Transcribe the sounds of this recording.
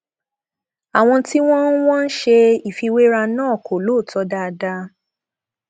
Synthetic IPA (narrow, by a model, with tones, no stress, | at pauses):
a˨w̃ɔ̃˧ti˦w̃ɔ̃˦wɔ̃˦n̩˦ʃe˧i˨fi˧we˦ɾa˧nãː˦˨ko˨lo˦˨tɔ˧˦da˧da˧˦